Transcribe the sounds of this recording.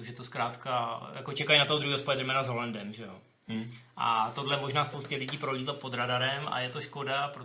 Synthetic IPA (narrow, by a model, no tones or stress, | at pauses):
oʒɛt̪oskɾaːt̪kajako̞t͡ʃɛkajnat̪ood̪ɾuhiːospojɛd̪rɛmɛːnazɦo̞landɛmʒɛjo̞ | ʔa̰t̪odlɛmo̞ʒnaːspowscɛlɪɟiːpɾoɟiːd̪lat̪̚po̞d̪ɾadaɾɛmʔa̰jɛt̪o̞ʃko̞dapɾo